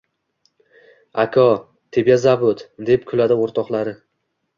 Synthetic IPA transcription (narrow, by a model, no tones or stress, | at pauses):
akʲʰɒ | t̪ʰebjazabʊt̪d̪e̞pkʲʰʊlad̪ɪoɾt̪ʰɒqlˠaɾɪ